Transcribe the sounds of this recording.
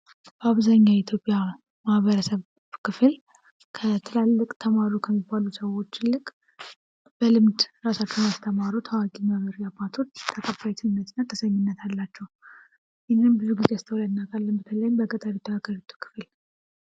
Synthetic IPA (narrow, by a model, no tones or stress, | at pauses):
bəaβzaɲːait̪ʰjo̞pʼja | mahβəɾəsəβ | kʰɨfɨl | kʰət̪ʰɨlalːɨkʼt̪ʰəmaɾukʰəmːibːalusəwo̞t͡ʃːlːɨkʼ | b̥əlɨmd̪ɾasat͡ʃːɛnast̪ʰəmaɾut̪ʰəwakʼiməβəɾiabːat̪ʰo̞t͡ʃːt̪ʰəkʼəbajt̪ʰɨnnːət̪ɨnːat̪ʰəsəɲːɪnːət̪ʰalːat͡ʃːɛw | jɪnembɨzuɡɨzast̪ʰəwlanːakʰʼalːɨnbət̪ʰələjɪmbəɡʼət̪ʼaɾut̪ʰːəaɡaɾit̪ʰːu̥kʰɨ̥fl